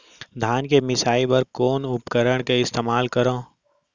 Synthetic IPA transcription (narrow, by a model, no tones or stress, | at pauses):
d̪ʱaːnkemɪsaːibɐɾkoːnʊpkəɾəɽ̃keɪst̪eːmaːlkəɾõː